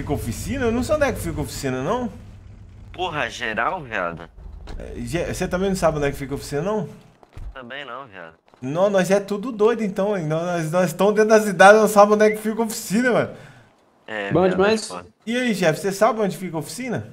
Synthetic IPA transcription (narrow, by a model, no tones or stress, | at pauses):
fikɐofisĩnɐnɐ̃w̃sõd̪ɛkɪ̥fikɐofi̥sĩnɐnɐ̃w̃ | poɦɐʒeɾa̰wvia̰d̪ɐ̰ɛ̰ʒɛset̪ɐ̃mbẽj̃nɐ̃w̃sabɪõd̪ɛkɪfikɐofi̥sĩnɐnɐ̃w̃ | t̪ɐ̃bẽj̃nɐ̃w̃via̰d̪ɐ | nɐ̃w̃nɔzaɛt̪ud̪ʊd̪ojd̪ʊẽt̪ɐ̃w̃ĩnɔ̃nɔznɔzst̪ɐ̃m̃ʊd̪ẽt̪ʊd̪ɐsid̪ad͡ʒnɐ̃w̃sabõnd̪ɛkɪ̥fikɐofi̥sĩnɐmɐ̃ | ɛbõd͡ʒimajs | iaiʒɛfɪ̥sesabɪpɾɐõnd͡ʒɪfikɐofi̥sĩnɐ